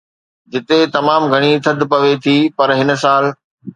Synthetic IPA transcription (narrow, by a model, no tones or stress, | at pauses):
d͡ʑɪt̪et̪ɐmaːmɡʱɐɽ̃it̪ʰɐd̪ʱpɐʋet̪ʰipɐɾɦɪnsaːl